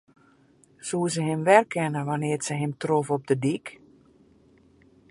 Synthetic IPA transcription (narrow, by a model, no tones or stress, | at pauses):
susəɦɪmʋɛrkʰɛnəʋanɪərsəɦɪmtrofɔp̚dədik